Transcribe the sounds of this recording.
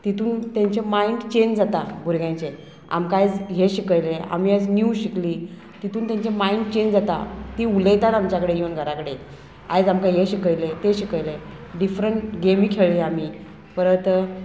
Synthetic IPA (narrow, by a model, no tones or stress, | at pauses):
t̪it̪uːnt̪jaɲt͡ɕemaiɳɖt͡ɕend͡zat̪abʱuɾɡjãɲt͡ɕe | a̰mkajd͡zɦeɕikəjlea̰m̤iːəd͡zniwɕikli | t̪it̪uːnt̪ãɲt͡ɕemaiɳʈ̚t͡ɕend͡zat̪a̰t̪iuləjt̪at̪amt͡ɕjakəɽejiənɡʱəɾakəɽe | a̰jd͡zamkajɦeɕikəjlet̪eɕikəjle | ɖifɾəɳʈɡemiːkʰeɭiamiː | pəɾət̪